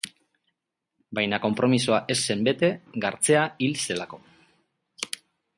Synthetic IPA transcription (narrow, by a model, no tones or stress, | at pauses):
bajnako̞mpɾo̞misoaʔe̞sːe̞mbe̞t̪e̞ɡaɾt͡se̞ailse̞lako̞